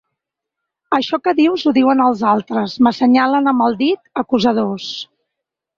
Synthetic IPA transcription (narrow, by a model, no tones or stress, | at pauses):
əʃɔkəðiwzuðiwənəlˠzalˠt̪ɾəzməsəɲalənəməlˠd̪it̪əkuzəð̞os